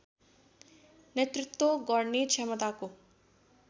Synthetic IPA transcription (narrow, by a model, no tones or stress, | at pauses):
net̪ɾɪt̪ːwoɡɔɾɳit͡ʃʰɛmət̪aːku